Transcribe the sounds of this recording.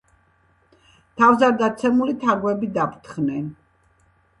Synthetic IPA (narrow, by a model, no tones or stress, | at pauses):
t̪ʰavzaɾd̪at̪sʰɛmulit̪ʰaɾɡwɛbid̪apʰɾt̪ʰχnɛn